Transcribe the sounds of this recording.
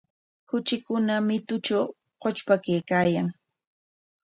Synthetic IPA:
kʊt͡ʃɪkʊnamɪt̪ʊt͡ʃaw | qot͡ʃpakejkaːjaŋ

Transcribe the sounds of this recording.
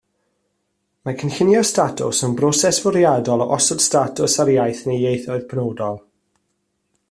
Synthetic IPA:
makʰənxɪnjɔstatʰʊ̰sənbrɔsɛsvɔɾjadɔlˠɔʔɔsɔd̥statʰʊsaɾjajθnejejθɔɨðpʰnowdɔlˠ

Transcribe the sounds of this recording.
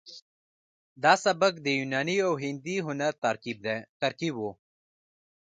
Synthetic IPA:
d̪aːsɐbəkd̪ejunaːniowɦind̪iɦunɐɾt̪ɐɾkib̚d̪et̪ɐɾkiboː

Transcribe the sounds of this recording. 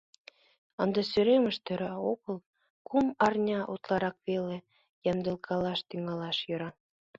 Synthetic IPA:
ənd̪ɑsyɾemə̆ʃt̪ø̆ɾokə̆l | kumɑrnʲɑʔut̪lɑɾɑkβele | jɑnd̪ɤ̆lˠkʰɑlɑʃt̪yŋɑlɑʃjɤ̆ɾɑ

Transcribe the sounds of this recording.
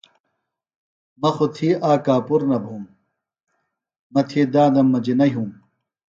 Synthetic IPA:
mɐxot̪ʰiːʔaːkaːpuɾnɐbʱuːm | mɐt̪ʰiːd̪ãːd̪ɐmːɐd͡ʑinɐɦũːm

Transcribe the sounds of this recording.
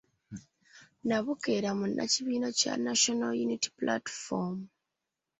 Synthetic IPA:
naβuke̞ɾamunʔa̰ciβiːno̞ca̰naʃonaljuniti̥pla̰tfom

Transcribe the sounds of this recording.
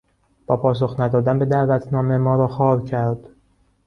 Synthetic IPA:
b̥ɒːpʰɒːs̬oxnæd̪ɒːd̪ænbe̞d̪æʔvæt̪ʰnɒːme̞mɒːɾɒːxɒːɾcʰæɾd̪̥

